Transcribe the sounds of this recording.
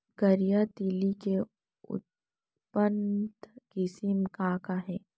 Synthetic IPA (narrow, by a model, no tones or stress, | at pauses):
ɡəɾijat̪iːlike | ʊ̰t̪̚ | pənd̪kɪsimkaːkaɦɛː